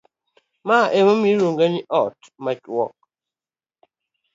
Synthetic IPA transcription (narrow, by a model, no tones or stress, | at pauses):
maʔemomiɾoŋɡeniʔɔt | mat͡ʃwɔ̰k̚